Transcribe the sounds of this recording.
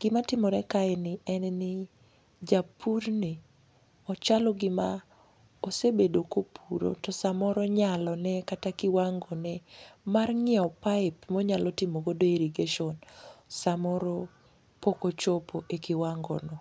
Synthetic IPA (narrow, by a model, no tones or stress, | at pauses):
ɡ̥ɪmatɪmɔɾɛkaɛnɪɛnnɪ | d͡ʒapʰurni | ɔt͡ʃalɔɡɪma | osebedokopʰuɾo̰tɔsamɔɾɔɲalɔnɛkatakɪwaŋɡonɛmarŋɪɔpaɪpmɔɲalɔtɪmoɡodoeɾiɡeʃɔnsamɔɾo | pokot͡ʃopʰoʔekɪwaŋɡɔ̰nɔ